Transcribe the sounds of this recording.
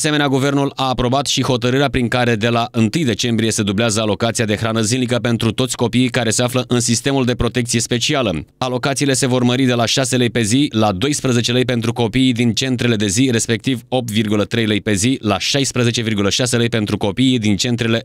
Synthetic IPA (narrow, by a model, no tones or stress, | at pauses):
se̞meneaɡuve̞rnulaːpɾo̞bat̪ʃiho̞t̪əɾɨɾeapɾiŋkaɾe̞d̪e̞laʔɨnt̪ɨjd̪e̞t͡ʃe̞mbɾije̞se̞d̪ubleazəalo̞kat̪siad̪e̞xɾanəzinlikəpe̞nt̪ɾut̪o̞t̪sʲko̞piːkaɾe̞se̞afləʔɨnsist̪e̞muld̪e̞pɾo̞t̪e̞k̚t̪sije̞spe̞t͡ʃialə | alo̞kat̪siːle̞se̞vo̞rməɾid̪e̞laʃase̞ləjpe̞zilad̪o̞jspɾəzet͡ʃe̞ləjp̬e̞nt̪ɾuko̞piːd̪int͡ʃe̞nt̪ɾe̞le̞d̪e̞zire̞spe̞k̚t̪ivo̞p̚t̪virɡulət̪ɾe̞jləjpe̞zilaʃajspɾəze̞t͡ʃe̞virɡuləʃase̞ləjpe̞nt̪ɾuko̞piːd̪int͡ʃe̞nt̪ɾe̞le̞